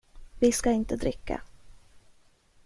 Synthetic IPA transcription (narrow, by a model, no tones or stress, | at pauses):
vɪskaɪnt̪əd̪ɾɪkːa̰